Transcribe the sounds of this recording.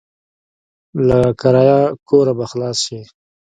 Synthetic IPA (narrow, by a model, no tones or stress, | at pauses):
lakaɾɑjɑkoɾabaxlɑːsʃe